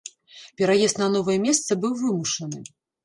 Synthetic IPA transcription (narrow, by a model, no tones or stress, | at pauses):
pʲɛɾajɛst̪nɐnɔvɨjɛmʲɛst̪sɐbɨwvɨmuʂɐnɨ